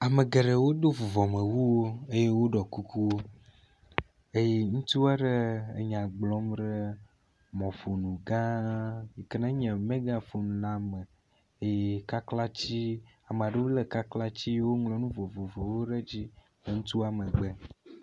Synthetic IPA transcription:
a˨mẽ˨ɡe˨ɖe˨wo˦d̪o˦vo˨vɔ˨mẽ˨wu˦wo˦e˦je˦wo˦ɖɔ˨ku˦ku˦wo˦ | e˦je˦ŋũ˦t̪u˦a˦ɖe˦ḛ˨ɲã˨ɡ͡blɔ˦mɖe˦ | mɔ̃˨fo˨nũ˨ɡã˦je˨ke˦nã˦ɲɛ̃˨mẽ˦ɡã˦fo˨nũ˨nã˦me˨ | e˦je˦ka˦kla˦t͡ɕi˦ | a˨mẽ˨a˨ɖe˦wo˦le˨ka˦kla˦t͡ɕi˦wo˦ŋlɔ˨nũ˦vo˨vo˨vɔ˨wo˦ɖe˦d͡ʑi˦ | le˨ŋũ˦t̪u˦a˨mẽ˨ɡ͡be˦

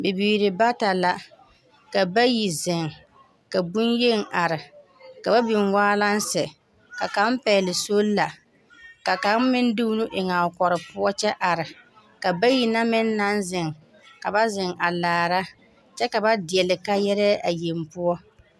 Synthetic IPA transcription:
bɪ˨biː˨ɾɪ˨ba˦ta˨la˨ | ka˨ba˦ji˨zɪ˨ŋ | ka˨bu˦nje˦ŋ˨a˨ɾɪ˨ | ka˨ba˦bɪ˨ŋwaː˦la˦n˦sɛ˨ | ka˨ka˨˦m˦pɛ˨lɪ˨so˦lla˨ | ka˨ka˨˦m˦mɪ˦n˦dɪ˦nʊ˦ʔɪ˨ŋa˨kɔ˨ɾɪ˨pʊ˦ɔ˦t͡ʃɛ˦ʔa˨ɾɪ˨ | ka˨ba˦ji˨na˦mɪ˦nː˦a˦nzɪ˨ŋ | ka˨ba˦zɪ˨ŋa˨laː˨ɾa˦ | t͡ʃɛ˦ka˨ba˦dɪ˨ɛ˨lɪ˨ka˦jɛ˦ɾɛ˦ʔa˨je˨m˦pʊ˦ɔ˦

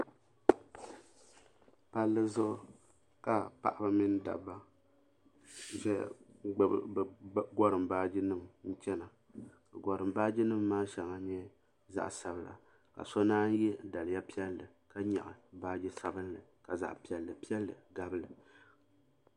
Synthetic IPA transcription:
pa˦lːɨ˦zʊ˦ʔʊ˦ | ka˨pa̰˨ʔa˦ba˦mi˦n˦da̰˨ba˦˨ | ʒɛ˦˨ | ɡɔ˦ɾɨ˨mbaː˦d͡ʒi˦nɨ˦mn̩˦t͡ʃɛ˦na˨ | ka˨ɡɔ˨ɾɨ˨mbaː˦d͡ʒi˦nɨ˦mːaː˦ʃɛ˨ŋa˦ɲ˦ɛ˦ | za̰˦ʔsa˨bɨ˨la̰˨ | ka̰˨sɔ˦naː˦n˦jɛ˦da˨lɨ˨ja˦pi˦ɛ˦lːɨ˨ | ka˦ɲa̰˨ʔɨ˨baː˦d͡ʒi˦sa˦bɨ˦n˦lɨ˨ka˨za̰˨ʔpi˦ɛ˨lːɨ˨pi˦ɛ˦lːɨ˨ɡa˦bɨ˦lɨ˨

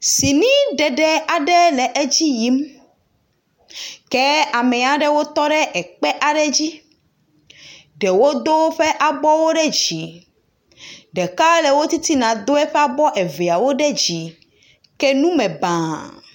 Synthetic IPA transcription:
si˨nĩ˦ɖɛ˨ɖɛ˦a˨ɖɛ˦lɛ˨ʔe˦d͡ʑi˦ji˦m | kɛ˦a˨mɛ̃˨a˨ɖɛ˦wo˦t̪ɔ˦ɖɛ˦ʔɛ˨k͡pɛ˦ʔa˨ɖɛ˦d͡ʑi˦ | ɖe˨wo˦d̪o˦ɸe˦ʔa˨bɔ˦wo˦ɖɛ˦d͡ʑi˨ | ɖɛ˨ka˦le˨wo˦t̪i˦t̪i˦nã˨d̪o˦ɛ˦ɸɛ˦a˦bɔ˦ʔe˨ve˨a˨wo˦ɖɛ˦d͡ʑi˨ | ke˦nũ˦mɛ̃˨bã˨

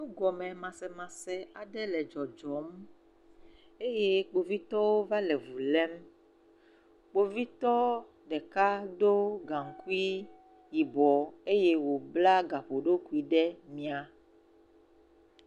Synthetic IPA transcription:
nũ˦ɡɔ˨mɛ̃˨mã˨sɛ˨mã˨sɛ˨a˨ɖɛ˦lɛ˨d͡ʒɔ˨d͡ʒɔ˨m | e˦je˦k͡po˨vi˦t̪ɔ˦wo˦va˦lɛ˨vu˨lɛ˦m | k͡po˦vi˦t̪ɔ˦ | ɖɛ˨ka˦ɖo˦ɡã˨ŋ˨ku˦i˦ | ji˨bɔ˨e˦je˦wo˨bla˦ɡa˨ɸo˨ɖo˦ku˦i˨ɖɛ˦mĩ˨˦a˨

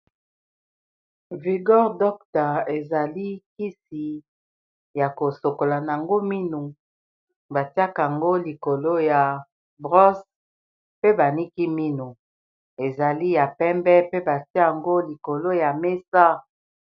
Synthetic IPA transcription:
vi˨ɡɔ˦ʁdɔ˦kta˨e˨za˨li˦ki˦si˨ | ja˨ko˨so˨ko˨la˨n˨a˨ŋɡo˦mi˦nu˨ | ba˨ti˦a˦ka˨ŋɡo˦li˨ko˨lo˦ja˨ | bʁɔ˦s | pe˦ba˨ni˦ki˦mi˦nu˨ | e˨za˨li˦ja˨pɛ˦mbɛ˦pe˦ba˨ti˦a˨ŋɡo˦li˨ko˨lo˦ja˨me˦sa˦

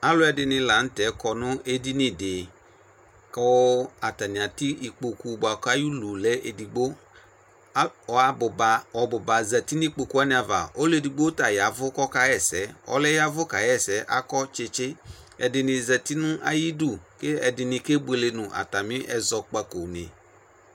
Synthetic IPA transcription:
a˦lʊ˦ɛ˨dɪ˧nɪ̃˧la˨˦n̩˦tɛ˨˦kɔ˨nʊ̃˦ʔe˦di˦nɪ̃˨dɪ˨ | kɔ˦a˨ta˨nɪ̃˨a˨ti˦i˨k͡po˨ku˨bʊ˨a˨kɔ˦a˦ju˦lu˨lɛ˦ʔe˨di˨ɡ͡bo˦ | ɔ˨a˨bʊ˨ba˨ɔ˨bʊ˨ba˨zɛ˨ti˦ni˦k͡po˨ku˦a˦nɪ̃˦˨a˨va̰˨o˦le˦˨di˨ɡ͡bo˦ta˨ja˨vʊ˦kɔ˦ka˦jɛ˦˨sɛ˨˦ɔ̰˦lɛ˦ja˦vʊ˦ka˨jɛ˦˨sɛ˨˦ʔa˦kɔ˦t͡ʃɪ˧t͡ʃɪ˦ | ɛ̰˨dɪ˧nɪ˧zɛ˨ti˦nʊ̃˦ʔa̰˦ji˦du˦˨ke˦ɛ˨dɪ˧nɪ˧ke˦bu˦e˨le˨nʊ̃˨ʔa̰˨ta˨mɪ̃˦ʔɛ˦zɔ˨k͡pa˨ko˨nɪ̰̃˨

